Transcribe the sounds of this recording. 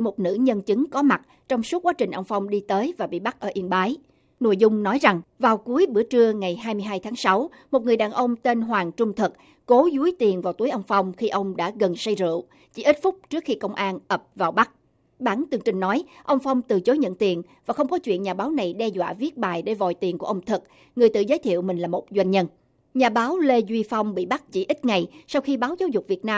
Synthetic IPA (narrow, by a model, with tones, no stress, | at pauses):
mo˨˩t̚nɨ̰˧˥ɲə˧nt͡ɕɨ˨˦ŋkɔ˨˦ma˨˩t̚ | t͡ɕɔ˧wŋ͡msu˦˥t̚kwaː˨˦˥t͡ɕï˨˩ŋ̟ʔə˧wŋ͡mfa˧wŋ͡mɗi˧t̪əː˨˦jvaː˨˩ɓḭ˧˨ɓa˦˥k̚ʔəː˧˩ʔi˧ənɓaː˨˦j | nou˧˨jzʊ˧ŋ͡mnɔ˨˦jza˨˩ŋvaː˨˩wku˨˦əjɓɨ̰˧˩ət͡ɕɨ˧əŋa˨˩jɦaː˧jmɨ˧əjɦaː˧jt̪ʰaː˨˦ŋsa˨˦w | mo˨˩t̚ŋɨ˨˩əjɗaː˨˩nʔə˧wŋ͡mt̪e˧nɦwaː˨˩ŋt͡ɕʊ˧ŋ͡mt̪ʰɨ˨˩k̚ | ko˨˦zu˨˦əjt̪i˨˩ənvaː˨˩wt̪u˨˦əjʔə˧wŋ͡mfa˧wŋ͡mxi˧ʔə˧wŋ͡mɗa̰ː˧˥ɣə˨˩nsə˧jzɨ̰˧˨ | t͡ɕḭ˧˥ʔi˦˥t̚fʊ˦˥k͡p̚t͡ɕɨ˦˥ək̚xi˧kə˧wŋ͡mʔaː˧nʔə˨˩p̚vaː˨˩wɓa˦˥k̚ | ɓaː˧˩nt̪ɨ˨˩əŋt͡ɕï˨˩ŋnɔ˨˦jʔə˧wŋ͡mfa˧wŋ͡mt̪ɨ˨˩t͡ɕo˨˦jɲə̰˧˨nt̪i˨˩ənvaː˨˩xə˧wŋ͡mkɔ˨˦t͡ɕwḭ˧˨ənɲaː˨˩ɓaː˨˦wna˨˩jɗɛ˧zwa̰ː˧˨vi˦˥ət̚ɓaː˨˩jɗe˧˩vɔ̰˧˨jt̪i˨˩əŋku˧˩əʔə˧wŋ͡mt̪ʰɨ˨˩k̚ | ŋɨ˨˩əjt̪ɨ̰˧˩zəː˨˦jt̪ʰḭ˧˨əwmï˨˩ŋ̟laː˨˩mo˨˩t̚zwa˧jŋ̟ɲə˧n | ɲaː˨˩ɓaː˨˦wle˧zwi˧fa˧wŋ͡mɓḭ˧˨ɓa˦˥k̚t͡ɕḭ˧˩ʔi˦˥t̚ŋa˨˩jsa˧wxi˧ɓaː˨˦wzaː˨˦wzʊ˨˩k͡p̚vi˨˩ət̚naː˧